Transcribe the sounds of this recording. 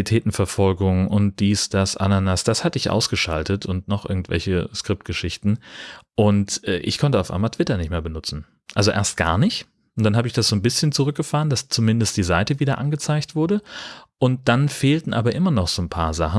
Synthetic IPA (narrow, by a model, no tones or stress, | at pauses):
itʰɛːtn̩fɛɐfɔlɡʊŋʔʊnt̚d̥iːsd̥asʔa̰nanasd̥ashatəɪçʔa̰ʊsɡ̥əʃa̰ltətʰʊntnɔχʔɪɐɡŋ̩tv̥ɛ̰lçəskʁ̥ɪp̚t̚ɡ̥əʃɪçtn̩ʔʊntʔɛːʔɪ̰çkʰɔntəaʊfʔa̰ɪmaltʰv̥ɪtɐnɪçtmeːɐbənʊt͡sn̩ | ʔalzoʔḛːɐst̚ɡ̥a̰ːɐnɪçt | ʊntd̥anɦaːbəɪçd̥asz̥oːnbɪsçənt͡suʁ̞ʏk̚ɡ̥əfaːʁənd̥ast͡sumɪndəst̚d̥iːzaɪtəviːdɐʔanɡət͡saɪçtv̥ʊɐɾəʔʊnt̚d̥anfeːltn̩ʔaːbɐʔɪmɐnɔχz̥oːnpʰaːɐzaχn̩